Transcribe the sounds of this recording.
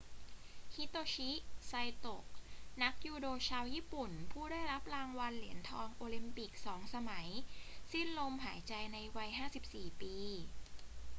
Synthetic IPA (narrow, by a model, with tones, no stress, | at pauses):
hi˦˥t̪oː˧t͡ɕʰi˦˥ʔsa˧jt̪o˨˩k̚na˦˥k̚juː˧doː˧t͡ɕʰaː˧wjiː˥˩pu˨˩npʰuː˥˩daː˥˩jɾa˦˥p̚ɾaː˧ŋwa˧nli˩˦ənt̪ʰɔː˧ŋʔoː˧li˧mpi˨˩k̚sɔː˩˦ŋsa˧ma˩˦jsi˥˩nlo˧mɦaː˩˦jt͡ɕa˧jna˧jwa˧jɦaː˥˩si˨˩p̚siː˨˩piː˧